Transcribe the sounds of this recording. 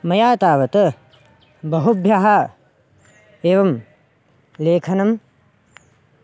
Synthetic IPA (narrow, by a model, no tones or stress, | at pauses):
mɐjaːt̪aːʋɐt̪ɐ | bɐɦubʱjaɦɐ | eːʋɐm | leːkʰɐnɐm